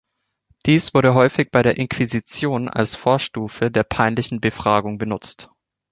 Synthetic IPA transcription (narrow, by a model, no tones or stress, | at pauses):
d̥iːsv̥ʊɐɾəɦɔʏfɪçb̥aɪɾeːɐʔɪnkʰv̥izit͡sjoːna̰lsfoːɐʃtuːfədeːɐpʰaɪnlɪçn̩bəfʁ̥aːɡʊŋbənʊt͡st